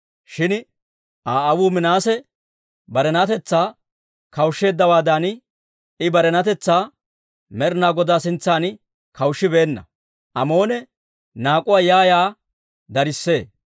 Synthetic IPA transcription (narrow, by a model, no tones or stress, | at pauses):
ʃɪn | ʔaːɐwuːmɪnaːsɛ | bɐɾɛnɐt̪ɛt͡sːaː | kɐwʃːe̞ːd̪ːɐwaːd̪an | ɪbɐɾɛnɐt̪ɛt͡sːaː | mɛɾnaːɡɔd̪aːsɪnt͡sːaːn | kɐwʃːɪbe̞ːnːɐ̰ | ʔɐmo̞ːnɛ | naːkʼʊwaːjaːjaː | d̪ɐɾɪsːe̞ː